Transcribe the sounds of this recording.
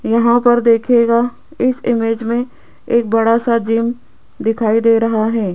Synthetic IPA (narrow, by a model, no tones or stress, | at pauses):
jɐɦãpɐɾd̪eːkʰeːɡa | ɪsɪmeːd͡ʒmẽ | eːk̚bɐɽasad͡ʒiːm | d̪ɪkʰaːid̪eːɾɐɦaɦɛː